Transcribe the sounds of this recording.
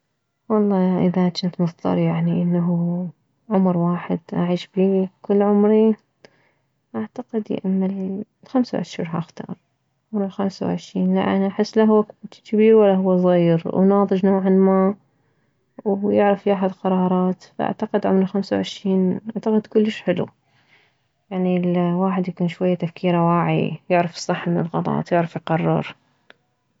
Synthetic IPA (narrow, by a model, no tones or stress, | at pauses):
wɑlˤːɑːʔɪðat͡ʃɪnt̪mʊfd̪ˤɑ̰ɾˤjaʕniʔɪnːaɦ | ʕʊmɾwaːħɪd̪ʔa̰ʕiːʃbiːkʊlːʕʊmɾi | ʔaʕt̪aqɪd̪jɪ̰ʔamːal | lxamsawʕɪ̰ʃɾiːɾɦaʔxt̪ɑ̰ːɾˤ | ʕʊmɾɪlxamsa̰wʕɪ̰ʃɾiːnla̰ʔanaʔaħɪsːlaɦʊwːakt͡ʃɪt͡ʃibiːwalːaɦʊwːazˤɣiːɾwnɑːðˤɨd͡ʒnoːʕanmaː | wjɪʕɾafiʔaħad̪qɑɾˤɑːɾˤɑːt̪faʔa̰ʕt̪aqɪd̪ʕʊ̰mɾɪlxamsawʕɪʃɾiːnʔaʕt̪aqɪd̪kʊlːɪʃħɪlṵ | jaʕnilwaːħɪd̪jakuːnʃwajːat̪afkiːɾawaːʕḭjɪʕɾafɨ̥sˤːɨħːamɪnɪ̰lɣɑt̪ˤɑ̰ːt̪jɪʕɾafjqɑrˤːɑ̰ɾˤ